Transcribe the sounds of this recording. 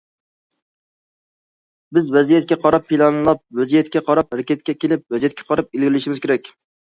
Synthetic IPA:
bɪzvæzijɛt̪̚kʲɛqʰɑɾɑpʰːilˠɑnlˠɑp̚væzijɛt̪kʲɛqʰɑɾɑp̚hɾɛkʲɛt̪̚kʲɛkʲelɪp̚væzijɛt̪kʰʲɛ̥qʰɑɾɑp̚elɡʲɪlɪʃɪmɪz̥kʲeɾɛkʲ

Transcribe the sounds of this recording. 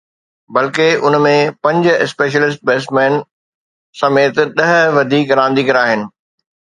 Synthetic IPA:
bɐlkeʔʊnmẽpɐ̃ɲd͡ʑʊ̆ɪspeːʃ̬əlɪs̬ʈ̚beːsʈmɛːn | sɐmeːt̪ɗɐɦʋɐd̪ʱiːkɾãːn̆d̪iːkɐɾaːɦɪnɪ̆

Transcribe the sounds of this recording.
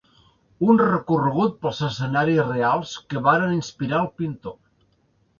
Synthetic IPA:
unrəkurəɣ̞ut̪̚pəlˠzəsənaɾisrealˠskəβaɾəninspiɾaəlˠpint̪o

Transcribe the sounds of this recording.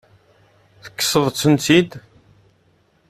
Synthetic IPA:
θə̥kːə̥səðˤt͡sːənt̪id̪

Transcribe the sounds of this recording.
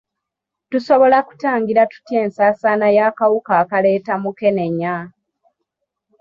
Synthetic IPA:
tuso̞βo̞laku̥taːŋɡiɾatu̥tje̞ːnsaːsaːnajaːkawukaːkale̞ːtamuke̞neɲːa

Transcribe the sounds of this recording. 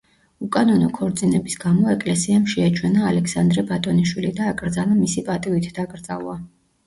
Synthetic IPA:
ukʼanɔnɔkʰɔɾd̪zinɛbisɡamɔɛkʼlɛsiamʃɛat͡ʃʰwɛnaːlɛkʰsand̪ɾɛbat̪ʼɔniʃwilid̪aːkʼɾd̪zanamisipʼat̪ʼivit̪ʰd̪aɡʼɾd̪za̰lˠa

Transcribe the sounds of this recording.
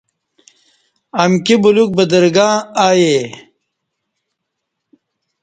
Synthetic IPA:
ɐmkibuluk̚bɐd̪ɐɾɡaːaːje

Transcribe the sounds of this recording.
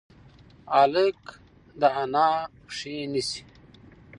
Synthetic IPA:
alek | d̪aanaː | ʂinisi̥

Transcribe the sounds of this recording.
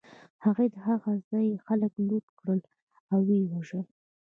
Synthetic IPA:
haɣed̪əɦaɣazɑjexaləkluʈkɽəl | awːewaʒəl

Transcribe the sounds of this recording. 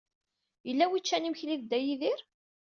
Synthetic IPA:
jəlːæwit͡ʃːænimçliðd̪æjiðɪɾ

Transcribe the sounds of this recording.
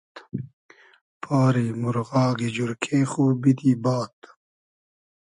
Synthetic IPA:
pʰaːɾiːmuɾɣɑːɡid͡ʑuɾkʰẽːxoːbid̪iːbaːt̪

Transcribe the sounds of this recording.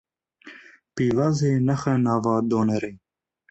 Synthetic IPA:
piːvɑːzeːnɛxɛnɑːvɑːd̪oːnɛɾeː

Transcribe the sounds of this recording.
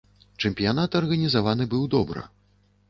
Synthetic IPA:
t͡ʂɛmʲpʲijanat̪ɐrɣɐnʲizavanɨbɨwd̪ɔbɾɨ̰

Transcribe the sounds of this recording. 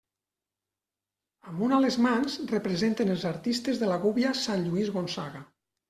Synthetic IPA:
əmunalezmanzrepɾezent̪enelˠzaɾt̪ist̪ezðelaɣuβjasanʎuizɣonsaɣa

